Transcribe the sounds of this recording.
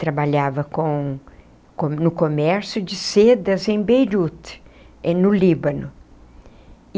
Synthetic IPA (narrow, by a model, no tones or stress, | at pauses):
t̪ɾabaʎavɐkõ | konʊkomɛɾsʊd͡ʒɪsed̪ɐzẽj̃bejɾut̪ | nʊlibɐnʊ